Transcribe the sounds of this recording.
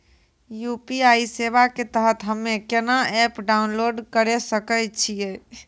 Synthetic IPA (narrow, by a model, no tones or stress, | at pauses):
jupiaiseʋaket̪əɦət̪ɦəmːekenaɛpɖaunloɖkəɾesəkət͡ʃʰije